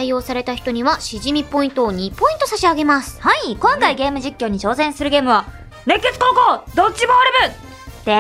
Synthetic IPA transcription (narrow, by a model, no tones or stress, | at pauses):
aio̞ːsaɾe̞t̪açi̥t̪o̞ɲ̟iβaɕiʑimʲipo̞ĩnt̪o̞ːɲ̟ipo̞ĩnt̪o̞saɕiaɡe̞masɨ̥haikõ̞ŋkaiɡe̞ːmɯ̟d͡ʑikʲːo̞ːɲ̟it͡ɕo̞ːsẽ̞ɰ̃sɨɾɯ̟ɡe̞ːmɯ̟βa | ne̞kːet͡sɨ̥koːkoːd̪ot͡ɕːimoaɾebɯ | d̪̥e